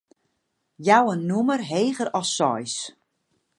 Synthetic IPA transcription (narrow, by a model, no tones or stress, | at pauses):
jawənːumərɦeːɣəɾɔsːɔjs